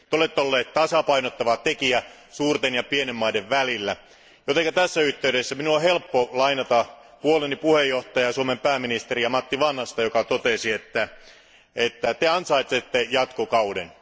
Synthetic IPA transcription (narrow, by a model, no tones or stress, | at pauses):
t̪eolet̪ːeolːeːt̪t̪ɑsɑpɑinot̪ːɑʋɑt̪ekiæ | suːrt̪enjɑpienemːɑideʋʋælilːæ | jot̪eŋkæt̪æsːæyht̪ːeydesːæminuohelpːolɑinɑt̪ɑ | puolenipuhejːoht̪ɑjɑsuomempæːmːinist̪erijɑmɑt̪ːiʋɑnhɑst̪ɑjokɑt̪ot̪esiet̪ːæ | et̪ːæt̪eɑnsɑit̪ːet̪ːejɑt̪kokɑuden